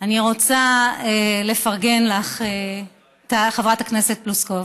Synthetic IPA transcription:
aniʁo̞t͡saele̞faʁɡe̞nlaχe | t̪aχevʁathakne̞se̞t̚pluskov

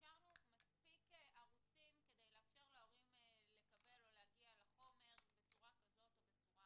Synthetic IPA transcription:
kaʁnumaspikʔaʁut͡simked̪ejleafʃe̞ʁleo̞ʁimle̞kabe̞lo̞leaɡialaχo̞me̞ʁbe̞t͡suʁakazo̞t̪obet͡suʁa

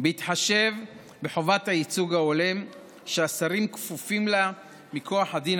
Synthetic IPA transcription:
beitħaʃe̞v | beħo̞vathait͡suɡaolem | ʃeasaʁimkfufimla | mikʰo̞aħadin

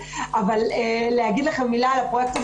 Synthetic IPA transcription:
ʔavallehaɡid̪leχemːilalapʁojek̚t̪i

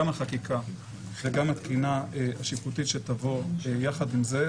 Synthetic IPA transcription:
amhaχakikʰa | veɡamat̪kinaaʃiputitʃetavo̞jaχadimze̞

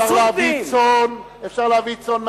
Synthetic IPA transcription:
aʁleait͡son | efʃaʁleavit͡sonː

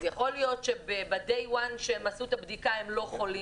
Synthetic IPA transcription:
zjaχo̞ljo̞tʃe̞bebad̪ejwanʃelmasut̪abd̪ikahe̞mlo̞χo̞li

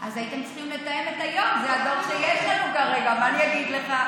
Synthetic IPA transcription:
ʔazajit̪emt͡sχimlet̪ajemet̪ajo̞mzeado̞ʁʃejeʃlanukaʁe̞ɡamaanijaɡid̪le̞χa

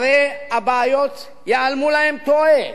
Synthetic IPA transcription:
ɾeɐbaːjot̪ | jalmulaɪmt̪ʰoːe

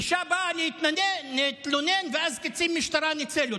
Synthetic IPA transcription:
ʃabaʔlihɪt̪nanenet̪lonenveʔazkɪt͡simːɪʃt̪aɾˤanɪt͡selu

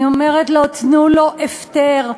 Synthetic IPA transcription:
omeʁet̪lot̪nuloʔefteʁ

